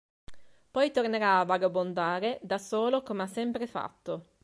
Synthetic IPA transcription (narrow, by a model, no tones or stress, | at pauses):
pɔjt̪orneɾaːvaɡabond̪aːɾed̪asoːlokomeasːɛmpɾefa̰t̪ːo